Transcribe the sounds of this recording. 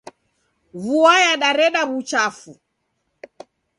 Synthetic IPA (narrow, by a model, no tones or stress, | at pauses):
βuajaɗaɾɛɗaβut͡ʃafu